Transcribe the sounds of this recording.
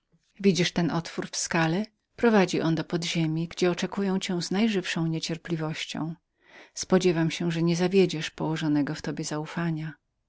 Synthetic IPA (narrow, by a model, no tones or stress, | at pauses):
vʲid͡ʑiʂt̪ɛnʔɔt̪fuɾfskalɛ | pɾɔvad͡ʑiʔɔnd̪ɔpɔd̪ʑemʲiɡd͡ʑɛɔt͡ʂɛkujɛ̃w̃t͡ɕɛ̃w̃znajʐɘfʂɔ̃w̃ɲet͡ɕɛɾplʲivɔɕt͡ɕɔ̰̃w̃ | spɔd͡ʑɛvamɕɛʐɛɲɛzavʲjed͡ʑɛʂpɔwɔʐɔnɛɡɔft̪ɔbʲjɛzaufaɲa